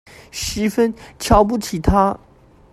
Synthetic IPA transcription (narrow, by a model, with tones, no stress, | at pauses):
ʂɻ̩˧˥fə˥nt͡ɕʰjɑ˥ʊp̬u˥˩t͡ɕʰi˨˩t̪ʰa˥